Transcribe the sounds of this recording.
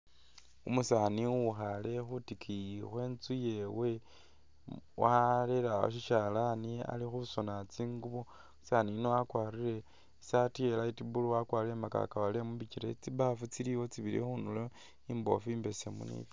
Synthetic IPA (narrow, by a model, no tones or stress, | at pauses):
umusaniuxale̞xutikʰiixwe̞ːnt͡suje̞we̞ | wʔaleɾao̰ʃ̬iʃalania̰lixuso̞nat͡siːŋɡuβo | saninowakwaɾiɾe̞ | satielaitibuluwakwaːɾiɾemaka̰kaβalemuβiciɾet͡siβafut͡siliwo̞t͡siβiɾḭxunulo | imbo̞̰fiːmbe̞semṵnḭt